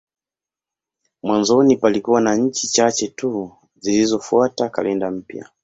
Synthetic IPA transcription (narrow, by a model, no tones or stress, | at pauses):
mwanzɔnipalikuwanaɲ̩t͡ʃit͡ʃat͡ʃɛtu | zilizɔfuataka̰lɛndam̩pja̰